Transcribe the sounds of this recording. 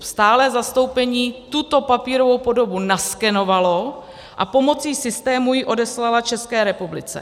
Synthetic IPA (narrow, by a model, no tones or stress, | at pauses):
st̪aːlɛːzast̪o̞wpɛɲiːt̪ut̪o̞papiːɾo̞vo̞wpo̞do̞bunaskɛno̞valo̞ | ʔa̰po̞mo̞t͡siːsɪst̪ɛːmujɪʔo̞dɛslalat͡ʃɛskɛːɾɛpublɪt͡sɛ̰